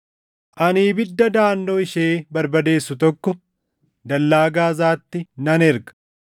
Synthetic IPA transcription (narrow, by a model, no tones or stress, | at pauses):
ʔɐniːbɪd̪ːɐd̪aːnːoːɪʃeːbɐɾbɐd̪e̞ːsːʊt̪ɔkːɔ | d̪ɐlːaːɡaːzaːt̪ːɪnɐnɛɾɡɐ̥